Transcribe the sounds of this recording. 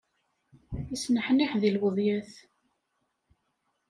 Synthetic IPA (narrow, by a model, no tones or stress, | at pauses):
isnəħniħðilwəðˤjæθ